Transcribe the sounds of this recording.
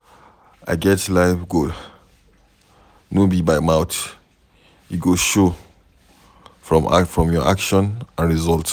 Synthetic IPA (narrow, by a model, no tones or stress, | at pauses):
ʔa̰ɪɡɛtlaɪfɡud | nobibaɪmaʊt | juɡoʃo | fɹɔ̃m̰fɹɔ̃mjɔʔakʃɔ̃nãnɹizɔlt